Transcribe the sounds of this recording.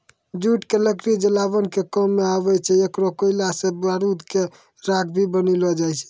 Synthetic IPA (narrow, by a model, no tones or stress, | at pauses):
d͡ʒuʈkeləkɾid͡ʒəlabənkekɔmːeaβɛt͡ʃʰɛekɾokəilasẽbaɾud̪ke | ɾakʰbʱibənilɔd͡ʒajt͡ʃʰɛ̥